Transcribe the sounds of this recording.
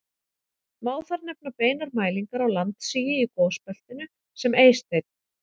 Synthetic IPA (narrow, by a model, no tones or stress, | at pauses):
maːwθfaɾnɛp̚napeːjnaɾmaːjliŋkaɾawlant̪siːjɪikɔːspɛl̥t̪ɪnʏ | sɛmeːjst̪ejt̪̚n